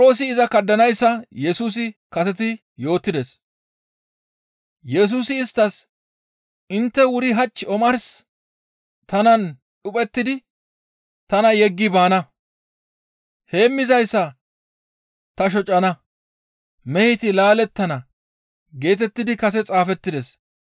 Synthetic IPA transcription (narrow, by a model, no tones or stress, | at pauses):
ɾo̞ːsɪːzɐkɐd̪ːɐnɐjsːɐjɛsuːs̬ɪkɐsɛt̪̬ɪ | jo̞ːt̪ːɪd̪ɛs | jɛs̬uːsɪːst̪ːɐs | ʔɪnt̪ːɛwʊɾɪɦɐt͡ʃːɪɔmɐɾs | t̪ɐnɐn | ɗʊpʼɛt̪ːɪd̪ɪ | t̪ɐnɐjɛɡːɪbaːnɐ | he̞ːmːɪzɐjsːɐ | t̪ɐʃ̬ɔt͡ʃʼːɐnɐ | mɛhɪt̪ɪlaːlɛt̪ːɐnɐ | ɡe̞ːt̪̬ɛt̪ːɪd̪ɪkɐs̬ɛt͡sʼaːfɛt̪ːɪd̪ɛs